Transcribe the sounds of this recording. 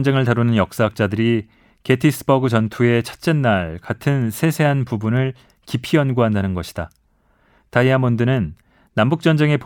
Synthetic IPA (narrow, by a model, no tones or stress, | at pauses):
nd͡ʑe̞ŋɯɭtaɾunɯnjʌk̚s͈aɦak̚t͡ɕ͈adɯɾi | ke̞tʰis͈ʰɯ̥bʌɡɯt͡ɕʌntʰue̞t͡ɕʰḁt̚t͡ɕ͈enːaɭkatʰɯnsʰe̞sʰe̞ɦanpubunɯɭ | kipʰiʌnɡuɦandanɯnɡʌɕʰi̥d̥a | taiamondɯnɯnː | ambuk̚t͡ɕ͈ʌnd͡ʑe̞ŋe̞p